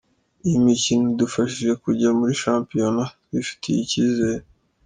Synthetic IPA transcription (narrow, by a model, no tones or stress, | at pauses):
imicinodufaʃiʒe̞kuɟamuɾiʃaːmpijo̞natwifi̥tʰijḭcizeɾe